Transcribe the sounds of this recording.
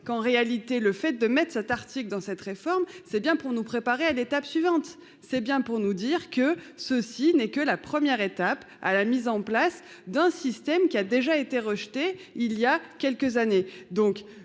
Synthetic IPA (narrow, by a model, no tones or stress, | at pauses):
kɑ̃ʁealit̪eləfɛt̪̚d̪əmɛt̪χsɛt̪aʁt̪ikld̪ɑ̃sɛt̪ʁefɔʁmsɛbjɛ̃puʁnupχepaʁealet̪apsɥivɑ̃t̪ | sɛbjɛ̃puʁnud̪iʁkə | səsinɛkəlapχəmjɛʁet̪ap | a̰lamizɑ̃plas | d̪ɛ̃sist̪ɛmkʲiad̪eʒaet̪eʁəʃt̪eiljakʲɛlkəzaned̪ɔ̃k